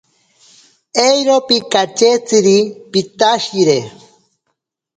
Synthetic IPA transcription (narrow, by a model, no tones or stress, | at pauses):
ejɾopikat͡ʃet͡siɾipit̪aʃiɾe